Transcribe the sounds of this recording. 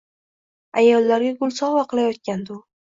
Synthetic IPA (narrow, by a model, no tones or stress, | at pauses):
ajɒlːaɾɡʲaɡʊlˠsɒwaqʰɨlˠajɒt̪̚kʲand̪ʊ